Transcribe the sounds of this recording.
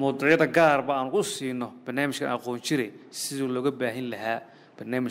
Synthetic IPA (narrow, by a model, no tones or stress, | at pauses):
mʊːd̪ɪʕjɐðɐɡaːrbɐaːnʊkʊsiːnːɔb̥ɐrnaːmɪʃkʰɐ̰ʔɑqɔːnt͡ʃɪɾɛjsɪðuːlɔːɣɐbaːɦɪnlɐɦaː | b̥ɐrnaːmɪʃ